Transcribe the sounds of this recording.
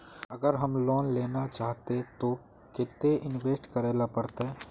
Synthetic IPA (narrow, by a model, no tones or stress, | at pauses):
ɐɡəɾɦɐmloːnleːnat͡ʃaːɦt̪et̪o | kɪt̪ːeʔɪnʋeːsʈkəɾeːlapəɾt̪e